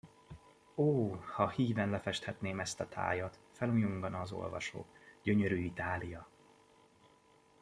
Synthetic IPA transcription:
oːhɒhiːvɛnlɛfɛʃt̪hɛt̪neːmɛst̪ɒt̪ʰa̰ːjɒt̪fɛlujuŋɡɒnɒːzo̞̰lvɒ̰ʃo̰ːɟ̥ø̞ɲøɾyːit̪aːlijɒ

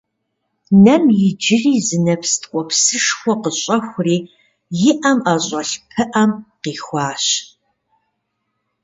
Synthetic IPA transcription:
nɐmjɪd͡ʒɪriːzɨnɐpstkʷʼɔpsɨʂxʷɔqəɕʼɐxʷʊriː | jɪʔɐmaɕʼɐɬpʰɨʔɐmqiːxʷɑːɕ

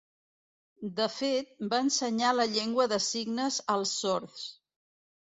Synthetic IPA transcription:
d̪əfet̪̚baənsəɲaləʎeŋɡwəðəsiɡnəzəlˠsːɔɾθ

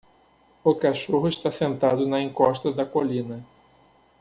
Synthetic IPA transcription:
ʊkaʃoɦʊɪʃt̪asẽnt̪ad̪ʊnɐẽŋkɔʃt̪ɐd̪ɐkolĩnɐ

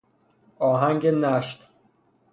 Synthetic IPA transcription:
ɒːɦæŋɟenæʃt̪

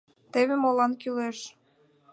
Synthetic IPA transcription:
t̪eβemolɑnkyleʃ

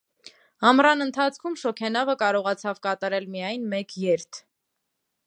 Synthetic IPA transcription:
ɑmrɑnənt̪ʰɑt͡sʰkʰumʃɔkʰɛnɑvəkɑɾɔʁɑt͡sʰɑvkɑt̪ɑɾɛlmijɑjnmɛkʰjɛɾt̪ʰ

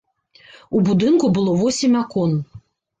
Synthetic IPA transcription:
ubud̪ɨnkubɨlˠɔvɔsʲimʲakɔn

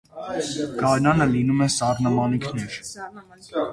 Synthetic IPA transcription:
ɡ̥ɑɾnɑnəlinumɛsɑɾnɑmɑnikʰnɛɾ

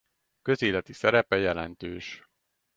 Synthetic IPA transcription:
kø̞zeːlɛt̪isɛɾɛpɛjɛlɛ̰nt̪øːʃ

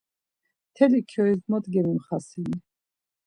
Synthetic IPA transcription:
t̪ʰɛlikʰjɔizd̪mɔt̪ɡɛmimχasini

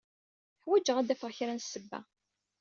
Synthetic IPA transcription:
ħwæd͡ʒːəʁæd̪æfəʁçɾænsːəbːæ̰

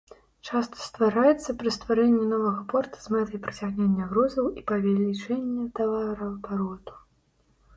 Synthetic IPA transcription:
t͡ʂast̪ʰɐ̥st̪vaɾajɛt̪sːɐpɾɐst̪vaɾɛnʲːinɔvɐɣɐpɔrt̪ɐ̥zmɛt̪ʲjpɾɐt͡sʲaɣnʲenʲːɐɣɾɔzɐwipɐvʲɛlʲit͡ʂɛnʲːɐt̪avaɾɐb̪aɾɔt̪u̥

